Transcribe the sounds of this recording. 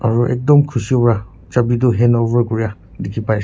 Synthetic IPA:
aɹuʔɛ̰k̚dɔmkʰusiopɔɹa | t͡ʃabit̬ʊɦɛnovaɹkɔɹija | dekʰipaj

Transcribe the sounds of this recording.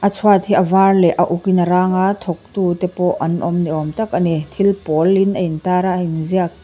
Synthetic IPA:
ʔɐt͡sʰwat̪hiʔɐvaːrlɛʔɐʔukinɐɾaːŋat̪ʰɔk̚t̪uːt̪ɛpɔʔɐnʔɔmniʔɔmt̪ɐk̚ɐnit̪ʰilpɔlːinʔɐjnt̪aːɾaʔinziɐk̚

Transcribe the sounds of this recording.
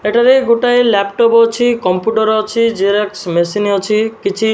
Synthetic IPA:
eʈaɾeɡoʈajlɛpʈɔpɔt͡ʃʰikɔmpjuʈɔɾɔt͡ʃʰid͡ʒiɾeksmesiniɔt͡ʃʰikit͡ʃʰi

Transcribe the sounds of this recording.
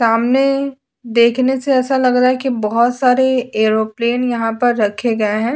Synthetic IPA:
saːmne | d̪eːkʰneseɛːsalɐɡɾaɦɛkibɔɦɔt̪saːɾeeːɾopleːnjɐɦãpɐɾːɐkʰeɡɐeɦɛ̃ː

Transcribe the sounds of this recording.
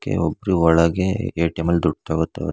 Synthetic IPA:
kːḛɔbːɾuɔɭɐɡeeːʈemɐld̪uɖaːɡut̪ːeʋɐ

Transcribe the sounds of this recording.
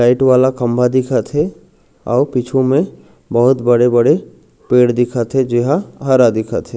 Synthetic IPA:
laːɪʈʋaːlakɐ̃mbʱad̪ɪkʰat̪ʰe | ɔːɾpit͡ʃʰõmẽ | bɐɦʊt̪bɐɽebɐɽe | peːɽd̪ɪkʰat̪ʰed͡ʒɪɦaɦɐɾad̪ɪkʰat̪ʰeː

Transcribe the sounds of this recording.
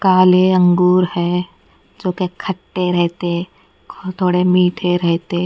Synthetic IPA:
kaːleə̃ŋɡuːɾhɛː | d͡ʒoːkekʰəʈːeɾɛɦt̪e | kt̪ʰoːɽemiːʈʰeɾɛɦt̪e

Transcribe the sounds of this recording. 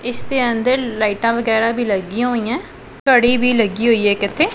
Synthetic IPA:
ɪsd̪eːə̃nd̪əɾlaːiʈãːʋəɡɛːɾaːbʱiːləɡiãɦoːĩjãː | kəɽiːbʱiːləɡiːɦoːiːɦɛːkɪt̪ʰːeː

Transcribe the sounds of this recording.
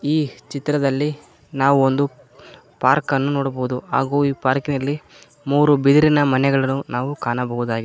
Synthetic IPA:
iːt͡ʃit̪ɾɐd̪ɐlːi | naːʋuond̪u | paːɾkɐnːunoːɽɐbɐɦud̪uaːɡuːiːpaːɾkinɐlːi | muːɾubid̪iɾinɐmɐnɛɡɐɭɐnːunaːʋukaːnɐbɐɦud̪aːɡi

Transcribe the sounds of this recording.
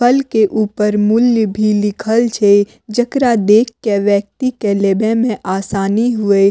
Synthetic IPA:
pʰəlkeʔuːpəɾmʊljbʱilɪkʰəlt͡ʃʰe | d͡ʒəkɾad̪eːkːeʋjək̚t̪ikelebẽmẽʔaːsaːniɦʊe

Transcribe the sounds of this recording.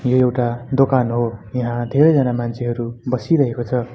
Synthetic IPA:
joewʈad̪okanɦojʌɦãd̪ʱeɾʌjd͡zanamant͡sʰeɦʌɾubʌsiɾʌɦekot͡sʰʌ

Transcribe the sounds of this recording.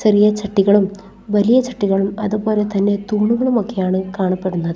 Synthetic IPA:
ɕɐrijɐt͡ɕɐʈːiɣɐɭum | ʋɐlijɐt͡ɕɐʈːiɣɐɭumɐðupo̞ːle̞t̪ɐnːe̞t̪uːɳuɣɐɭumo̞kːe̞jaːɳɨkaːɳɐpːe̞ɽunːɐðɨ

